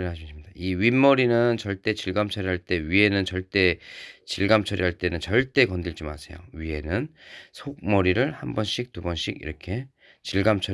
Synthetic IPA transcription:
ɭɦaɕʰiɕʰimɲid̥aiɥimːʌɾinɯnt͡ɕʌɭt͈e̞t͡ɕiɭɡamt͡ɕʰʌɾiɦaɭt͈e̞ɥie̞nɯnt͡ɕʌɭt͈e̞t͡ɕiɭɡamt͡ɕʰʌɾiɦaɭt͈e̞nɯnt͡ɕʌɭt͈e̞kʌndiɭd͡ʑima̰sʰe̞̰jo̰ɥie̞nɯnsʰok̚mʌɾiɾɯɭhambʌnɕʰik̚tubʌnɕʰiɡḭɾʌkʰe̞ | t͡ɕiɭɡamt͡ɕʰʌ

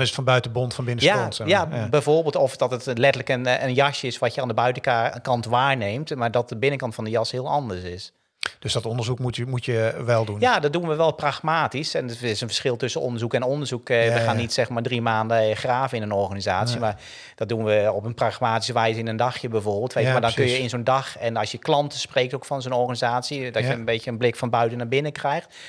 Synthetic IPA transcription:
nɪsətfɔnbœɥtəbontfɔnbɪnəsjaojabɛjvoːrbɪːlˠtɔfdɔtətlɛtələkənənjɑʃjəɪsʋɔtjəaːndəbœɥtəkɑntʋaːɹneːmtmaɹdɔt̚dəbɪnəkɑntfɑ̃ndəjɑshɪəlˠɑndəɹsɪs | d̥øsdɔtɔndəɹzukmuəmutjəʋɛlˠdunjadɔt̚dunʋəʋɛlˠpraχmaːtisɛnɪsənfə̥sχɪlˠtɵsənɔ̰ndəɹzukɛnondəɹzukʋəxaːnːitsɛxmaːɹdrimaːndəxraːvəɪnənɔɹxaːnizaːsimar | d̥ɔdunʋəɔpənpraxmaːtisəʋɛjzəɪnəndɑxjəbɛvorbɪːlˠtʋeːəmadɔnkønjjəɪnzondɑxɛnɑsjəklɑntəspreːk̚towkfɔnzonɔɹxanizaːtsidɔtjəənbeːtjəənblɪkfɔnbœɥtənabɪnəkrɛjxt

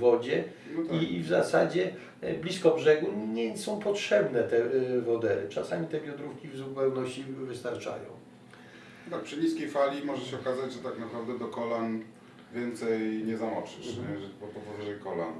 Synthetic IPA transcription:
vɔd͡ʑɛ | nivzasa̰d͡ʑɛ | blʲiskɔbʐɛɡuɲɛsɔ̃w̃pɔtʂɛbnɛt̪ɛvɔd̪ɛɾɘ̰t͡ʂasamʲit̪ɛbʲjɔd̪ɾufkʲivzupɛwnɔɕt͡ɕivɘst̪aɾt͡ʂa̰jɔ̰̃w̃ | t̪ak̚pʂɨɲiskʲejfalʲimɔʐɛɕɛɔkazad͡ʑʐɛt̪aknapɾavd̪ɛd̪ɔkɔlan | vʲjɛnt̪sɛjɲɛzamɔt͡ʂɨʂɲɛʐɛbɔpɔvɔvaʐɛjkɔla̰n

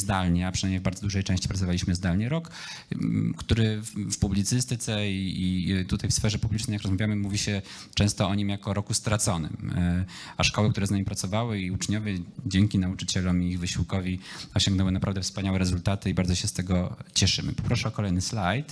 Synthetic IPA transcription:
zd̪alɲɛapʂɨnajmɲejvbaɾd̪zɔd̪uʐɛjt͡ʂɛ̃ɕt͡ɕi̥pɾat̪ɔvalʲiɕmɘzd̪alɲɛɾɔk | kt̪uɾɘfpublʲit̪sɘst̪ɘt̪sɛiit̪ut̪ajfsfɛʐɛpublʲit͡ʂnɛjakɾɔzmavʲjamɘmuvʲiɕɛ | t͡ʂɛ̃w̃st̪ɔɔɲimjakɔɾɔkust̪ɾat̪sɔnɘ̰m | aʂkɔwɛkt̪uɾɛznamipɾat̪sɔvawɘiut͡ʂɲɔvʲjɛd͡ʑɛŋkʲinaut͡ʂɘt͡ɕɛlɔmiːɣvɘɕiwkɔvʲiɔɕɔ̃ŋɡnɛwɘnapɾavd̪ɛfspaɲawɛɾɛzult̪at̪ɘibaɾdzɔɕɛst̪ɛɡɔt͡ɕɛʂɘ̰mɘ̰pɔ̥pɾɔʂɛɔkɔlɛjnɘslajt̪

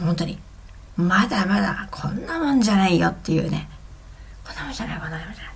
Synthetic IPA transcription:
hont̪oɲʲi | mad̪amad̪a̰kʰõ̞nːamõ̞ɲ̟d͡ʑanaijot̪ːe̞jɯ̟̰ːne̞̰ | kõ̞nːamõ̞ɲd͡ʑanaimonːamõd͡ʑana

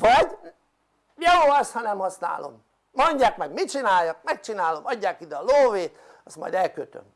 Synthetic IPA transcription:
ʋɒɟ | jooːɒst̪hɒnɛmhɒsna̰ːlo̰mː | oɲɟaːkmɛɡmit͡ʃinaːjːɒk̚mɛk̚t͡ʃinaːlo̞mɒɟːaːkid̪ɛɒloːveːt̪ | ɒst̪mɒ̰jd̪ɛlkøt̪ø̰m

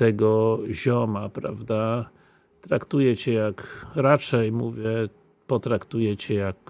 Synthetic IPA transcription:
t̪ɛɡɔʑɔmapɾa̰vd̪a | t̪ɾakt̪ujɛt͡ɕɛjakɾat͡ʂɛjmuvʲjɛ | pɔt̪ɾakt̪ujɛt͡ɕɛjak

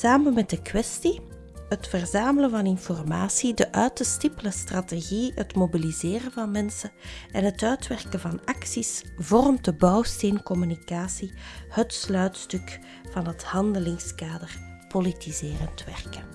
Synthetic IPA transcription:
saːmənmɛddəkwɛsti | ɦətfərzaːmələnvɑnɪnfɔrmaːsidəʔœːtəstɪpələstrateɣiɦətmobilizeːrəvɑnmɛnsəɛnɦətœːtʋɛrkəvɑnɑksisvɔrmtəbɑwsteːnkɔmynikaːsihətslœːtstʏk | v̥ɑnɦəthɑndəlɪŋskaːdər | politizɪːrəntʋɛrkə

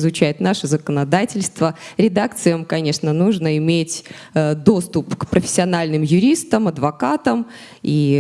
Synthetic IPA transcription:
zʊt͡ɕæjɪt̪naʂɨzəkənɐd̪atʲɪlʲst̪vəɾʲɪd̪akt̪sɨjəmkɐnʲe̞ʂnənuʐnəɪmʲetʲ | d̪o̞st̪ʊpkpɾəfʲɪ̥sʲːɪɐnalʲnɨmjʊɾʲist̪əmɐd̪vɐkat̪əm | i

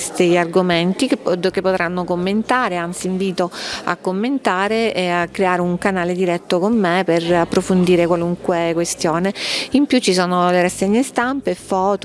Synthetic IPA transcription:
st̪iarɡoment̪ikd̪kepːot̪ɾanːokomːent̪aːɾeant̪siːɱviːt̪oa̰kːomːent̪aːɾeakːɾeaːɾeuŋkanaːled̪iɾɛt̪ːokomːeperapːɾofond̪iːɾekwaluŋkwekwest̪joːneimpjut͡ʃːisɔːnoleɾasɛɲːest̪ampefːɔːt̪o

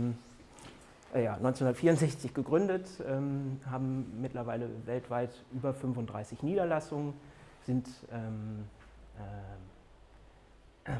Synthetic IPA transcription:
m | jaːnɔʏnt͡senhndɐtfiːʁʊntzɛçt͡sɪçɡ̥əɡʁʏndətʔɛːmɦaːbm̩ːɪtlɐvaɪləvɛltv̥aɪtʔyːbɐfʏnfʊntdʁa̰ɪsɪçniːdɐlasʊŋənz̥ɪntʔɛːm | ʔɛ

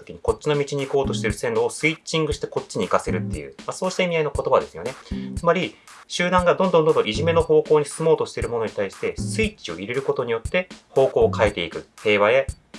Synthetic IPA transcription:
okʲiɲ̟iko̞t͡ɕːino̞mʲit͡ɕiɲ̟iːko̞ːt̪o̞ɕi̥t̪e̞ɾɯ̟sẽ̞nd̪o̞ːsɨit͡ɕĩŋɡɯ̟ɕi̥t̪e̞ko̞tt͡ɕːiɲ̟iːkase̞ɾɯ̟t̪ːe̞̰jɯ̰ːmaso̞ːɕi̥t̪aimʲiaino̞ko̞t̪o̞bad̪e̞sɨjo̞ne̞t͡sɨmaɾʲi | ɕɨːd̪ãŋɡad̪õ̞nd̪ond̪õndõiʑime̞no̞ho̞ːko̞ːɲ̟isɨmo̞ːt̪o̞ɕi̥t̪e̞ɾɯ̟mo̞no̞ɲ̟it̪aiɕi̥t̪e̞sɨit͡ɕio̞ʔiɾe̞ɾɯ̟ko̞t̪o̞ɲ̟ijo̞t̪ːe̞ho̞ːko̞ːkʰaet̪e̞ikɯ̟he̞ːβae̞

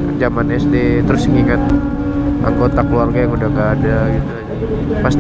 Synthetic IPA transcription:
d͡ʒamanɛsdet̪əɾʊsŋiŋat̪̚ | ʔa̰ŋɡot̪akəluarɡajaŋudahŋɡaːdaɡit̪ula | past̪

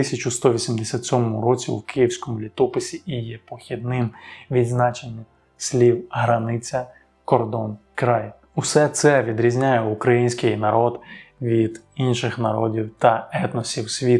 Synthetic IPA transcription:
t̪ɪsʲɐt͡ʃʊst̪ɔʋʲisʲimd̪esʲat̪sʲɔmɔmʊɾɔt͡sʲiwkɪjiwsʲkɔmʊlʲit̪ɔpɪsʲiːjɛpɔxʲid̪nɪmʋʲid̪znɑt͡ʃenʲːɐ | sʲlʲiwɦɾɐnɪt͡sʲɐ | kɔrd̪ɔnkɾɑj | usɛt̪sɛʋʲid̪ɾʲizʲnʲajɛukɾɐjinʲsʲkɪjnɐɾɔd̪ʋʲid̪inʃɪxnɐɾɔdʲiwt̪ɐɛt̪nɔsʲiwsʲʋʲit̪

